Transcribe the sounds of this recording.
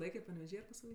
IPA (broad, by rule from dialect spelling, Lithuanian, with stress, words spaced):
ˈlˠɐɪkʲeː pɐnʲɛʋʲɛˈʒʲiː ɐr pɐsʋɐˈlʲiː